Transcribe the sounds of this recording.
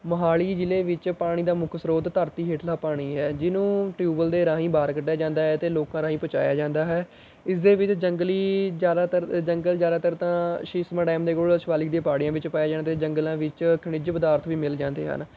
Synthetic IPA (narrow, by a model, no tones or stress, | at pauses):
məɦaːliːd͡ʒɪleːʋɪt͡ʃpaːɽ̃iːd̪aːmʊkʰsɾoːd̪t̪əɾt̪iːɦeːʈʰlaːpaːɽ̃iːɦɛːd͡ʒɪnũːʈjuːbəld̪eːɾãːɦĩːbaːɾkəʈːjaːd͡ʒãːnd̪aːɦɛːt̪eːloːkãːɾãːɦĩːpoːt͡ʃa̰ːja̰ːd͡ʒãːnd̪aːɦɛː | ɪsd̪eːʋɪt͡ʃd͡ʒəŋɡəliːd͡ʒaːd̪aːt̪əɾd͡ʒəŋɡəld͡ʒjaːd̪aːt̪əɾt̪ãːʃɪsmaːɖɛːmd̪eːkoːɭʃəʋaːlɪk̚d̪ĩjãːpaːɽijãːʋɪt͡ʃpaːjaːd͡ʒaːnːt̪eːd͡ʒəŋɡəlãːʋɪt͡ʃkʰəɳɪd͡ʒpəd̪aːɾt̪ʰʋiːmɪld͡ʒãːnd̪ḛːɦə̰n